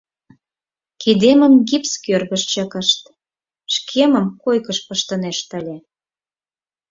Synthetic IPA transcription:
kid̪emə̆nɡipskørɣəʃt͡ɕə̆kəʃt̪ | ʃkʰeməmkojkəʃpəʃt̪əneʃt̪əlʲe

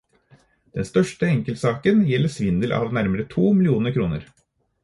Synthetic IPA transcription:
d̪̥ɛnst̪œʂʈəɛŋkəlt̪sɑːkənjɛlːəʂʋɪnd̪əlʔɑ̰ːʋnæɾməɾət̪ʰuːmɪlɪuːnəɾkʰɾuːnə̰ɾ

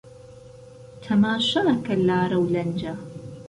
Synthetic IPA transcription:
t̪ʰɐmaːʃɐʔɐkɐlaːɾɐwlɐnd͡ʒɐ

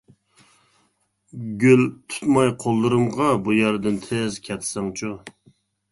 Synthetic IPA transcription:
ɡʲølt̪ʰu̥t̪mɑjqʰolˠːɨɾɨmʁɑbujæɾd̪ɨnt̪ʰezkʲʰɛt̪ʰsɛŋt͡ʃʰu

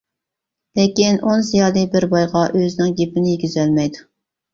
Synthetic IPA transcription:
lɪkʲinʔonzijɑːlˠɨbɪɾbɑjʁɑʔøzɪnɪŋɡʲepɪnɪjeɡʲyzɛlmɛjd̪u

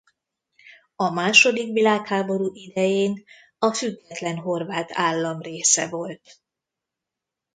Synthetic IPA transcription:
ɒmaːʃo̞d̪ikʋilaːkhaːbo̞ɾuːʔid̪ɛjeːn | ɒfyɡːɛt̪lɛnɦo̞rvaːt̪aːlːɒmreːsɛvo̞lt̪

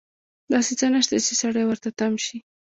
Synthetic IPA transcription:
d̪ɑset͡sənəʃt̪at͡ʃesaɽajwəɾt̪at̪amʃi

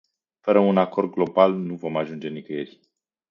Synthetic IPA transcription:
fəɾəunako̞rd̪̚ɡlo̞balnuvo̞maʒund͡ʒe̞nikəjerʲ

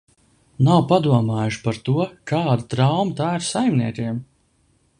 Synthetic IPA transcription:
nawpad̪uɔmaːjuʃpaɾt̪uɔkaːd̪at̪ɾawmət̪aːiɾsajmniɛt̪ʲiɛm

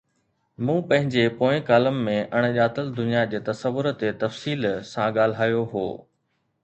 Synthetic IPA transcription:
mũːpɐ̃ɦɪ̃ɲd͡ʑepoːɪ̃kaːləmːẽʔɐɽ̃ʄaːt̪əld̪ʊnijad͡ʑeːt̪ɐsəʋːʊɾt̪et̪ɐfsiːlsãɠaːl̤aːjoɦo̰ː

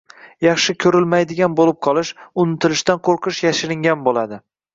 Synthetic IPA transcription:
jɑχʃɪkʲʰɵɾɪlmajd̪ɪɡʲanbolɪp̚qʰɒlˠɪʃʊnɪt̪ʰɪlɪʃt̪anqʰoɾqʰɨʃjaʃɪɾɪŋɡʲanbolad̪ɪ

